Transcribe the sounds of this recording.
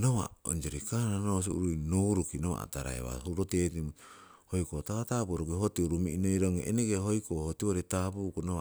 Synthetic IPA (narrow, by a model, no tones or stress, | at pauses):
nowa̰o̰nd͡ʒeɾikananos̬iṵɾujnoɾukinowa̰a̰taɾa̰ḛβa̰huɾotetim | hojkotawatapuɾoɡeɦotiuɾumiʔinojɾoŋeʔeneɡeɦojkoʔhotioɾetapukunowa